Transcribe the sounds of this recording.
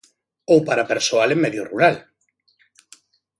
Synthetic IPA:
owpaɾapeɾsoalemːɛðjoruɾal

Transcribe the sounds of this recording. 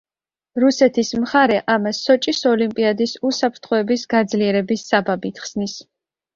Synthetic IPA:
ɾusɛt̪ʰismχaɾɛʔamasːɔt͡ʃʼisɔlimpʼiad̪isusapʰɾt̪ʰχɔɛbisɡad̪zliɛɾɛbisːababit̪ʰχsnis

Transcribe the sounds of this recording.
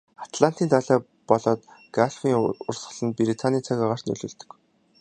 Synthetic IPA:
at̪ɮan̥t̪iːnaːɮaː | pɔɮɔːt̪ɡaɮfiːŋʊrsɢə̆ɮə̆npiɾit̪ʰanʲiːt͡sʰaɣʲaːʁaːr̥t̪nɵ̰ɮɵ̆ːɮt̪ɵ̥̆k

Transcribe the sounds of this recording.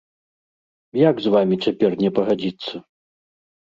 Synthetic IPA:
jaɡzvamʲit͡sʲapʲɛrnʲɛpɐɣad͡zʲit̪sːɐ

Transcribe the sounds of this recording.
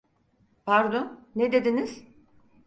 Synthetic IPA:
pʰaɾd̪onned̪e̞d̪iniz̥

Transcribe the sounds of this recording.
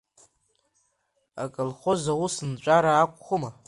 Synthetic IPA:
a̰kʼɨlχozawusɨnt͡ʃʷʼaɾaːkʷʼχʷʊma

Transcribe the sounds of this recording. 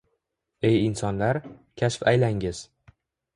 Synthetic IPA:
e̞jɪnsɒnlaɾkʲʰaʃfajlaŋɪz̥

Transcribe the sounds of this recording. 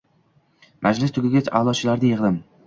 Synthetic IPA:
mʔad͡ʒlɪst̪ʰʊɡʲɪɡʲat͡ʃʰa̰ːlˠɒt͡ʃʰɪlaɾnɪjɪʁlɪm

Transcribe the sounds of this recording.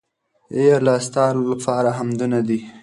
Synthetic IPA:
eaɾlast̪ɑlolapʰɑɾaɦamd̪unad̪i

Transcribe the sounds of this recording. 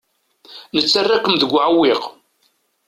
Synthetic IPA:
nət͡sːarːaqəmðəɡʷːʕawːɪq

